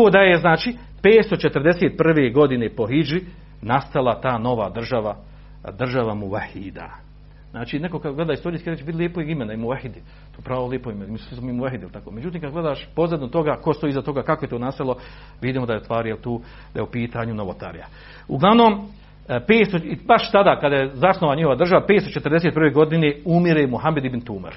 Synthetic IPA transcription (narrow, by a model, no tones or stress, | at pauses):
oːd̪ajeznaːt͡ʃiː | peːt̪st̪o̞t͡ʃet̪rd̪eseːt̪̚pr̩ʋeːɡo̞d̪inepo̞ɦid͡ʒi | nast̪alat̪aːno̞ʋaːd̪r̩ʒaʋa | d̪rʒaʋamuʋahːid̪a̰ | znaːt͡ʃiːneko̞kad̪ɡle̞d̪aist̪o̞ɾiːskiɾet͡ʃbit̪lʲeːpojimenaimuʋahid̪ | t̪oːpɾaːolˠeːpoimenmisslismoimuʋaɦid̪ilt̪akoːmed͡ʒut̪iːmkad̪ɡle̞d̪aːʃpozad̪not̪o̞ɡaːko̞st̪o̞iːzat̪o̞ɡaːkakoje̞t̪oːnaːst̪alo | ʋid̪iːmod̪ajest̪ʋaːɾijelt̪uː | d̪ajeupiːt̪aɲunoʋot̪a̰ɾija̰ | uɡlˠaʋno̞ːm | peːt̪st̪oibaʃt̪ad̪aːkad̪ajezasnoʋaɲiho̞ʋad̪r̩ʒaʋapet̪t̪ot͡ʃe̞t̪ɾd̪e̞set̪pɾrʋeɡo̞d̪ineumiɾemuɦamːed̪ibnt̪uːma̰ɾ